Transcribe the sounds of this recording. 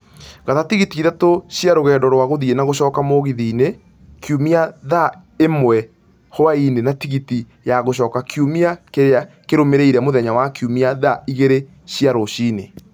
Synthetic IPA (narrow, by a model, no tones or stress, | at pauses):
ɣaðatiɣitiːðatoɕjaɾoɣɛːndɔɾwaɣoðienaɣoɕɔːkamoɣiðiːne | kʰjumiaða | emwɛ | hoainenatiɣiti | jaɣoɕ̬ɔːkakʰjumiakeɾa | keɾomeɾeiɾɛmoðɛɲawakjumiaðaiɣeɾe | ɕiaɾoɕiːne